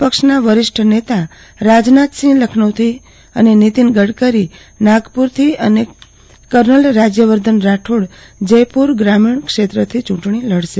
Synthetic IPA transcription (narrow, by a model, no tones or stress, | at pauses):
pəkʂnaʋəɾɪʂʈʰənet̪a | ɾad͡ʒnat̪sĩləkʰnəʋt̪ʰi | ə̰nenit̪inɡəɽkəɾi | naɡpuɾt̪ʰiəne | kəɾnəlɾad͡ʒjəʋəɾd̪ʱənɾaʈʰoɽ | d͡ʒəjpuɾɡɾamiɳ̃kʂet̪ɾət̪ʰit͡ʃũɳʈɳiləɽʃe